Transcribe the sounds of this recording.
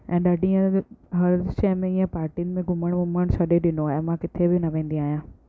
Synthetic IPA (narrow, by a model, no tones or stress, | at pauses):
ɛ̃ːɗaːɖʱiẽɦɐɾʃɛːmẽiːẽpaːɾʈinɪ̆mẽɡʱʊməɽ̃ɡʱʊməɽ̃sɐɗeɗɪnoɛ̃ːmãkɪt̪ʰebɪnɐʋẽːn̆d̪iaːɦijãː